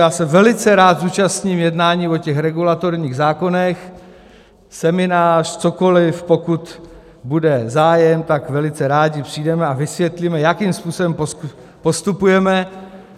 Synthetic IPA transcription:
jaːsɛvɛlɪt͡sɛɾaːt̪zuːt͡ʃast̪ɲiːmjɛdnaːɲiːvo̞cɛxɾɛɡulat̪o̞ɾɲiːɣzaːko̞nɛx | sɛmɪnaːr̥t͡so̞ko̞lɪfpokut̪ | budɛzaːjɛmt̪akvɛlɪt͡sɛɾaːɟɪpr̝̥iːdɛmɛavɪsvjɛt̪limɛjakiːmspuːsobɛmpo | po̞st̪upujɛmɛ

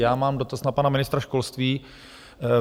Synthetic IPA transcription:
jaːmaːmdo̞t̪asnapanamɪnɪst̪ɾaʃko̞lst̪viː

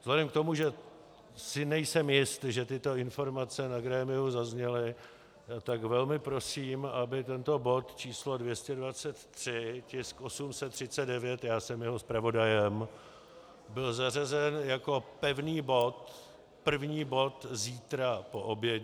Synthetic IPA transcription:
z̥lɛdɛmk̚t̪o̞muʒɛ | sɪnɛjsɛmjɪst̪ʒɛt̪ɪt̪o̞ɪnfo̞ɾmat͡sɛnaɡɾɛːmɪuzazɲɛlɪ | at̪aɡvɛlmɪpɾo̞siːmabɪt̪ɛnt̪o̞bo̞t̪t͡ʃiːslo̞dvjɛscɛdvat͡sɛt̪ːr̝̥ɪcɪskʔo̞sumsɛt̪ːr̝̥ɪt͡sɛd̪̚dɛvjɛt̪jaːsɛmjɛɦo̞spɾavo̞dajɛm | bɪlzarazɛnjako̞pɛvniːbo̞t̪ | pr̩vɲiːbo̞t̪ziːt̪ɾapo̞ʔo̞bjɛ

